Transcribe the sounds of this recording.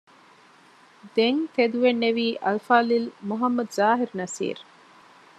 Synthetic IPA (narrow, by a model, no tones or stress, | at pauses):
d̪eŋt̪ed̪uʋenːeʋiːʔɐlfaːlilmuɦɐmːɐd̪zaːɦiɾnɐsḭːɾ